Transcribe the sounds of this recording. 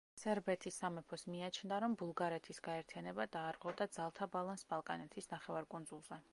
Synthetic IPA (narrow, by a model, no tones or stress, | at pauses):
sɛɾbɛt̪ʰisːamɛpʰɔsmiat͡ʃʰnd̪aɾɔmbulˠɡaɾɛt̪ʰisɡaɛɾt̪ʰijanɛbad̪aːɾqʼwɛvd̪ad̪z̥alˠt̪ʰabalˠansbalˠkʼanɛt̪ʰisnaχɛvaɾkʼund̪zulˠzɛ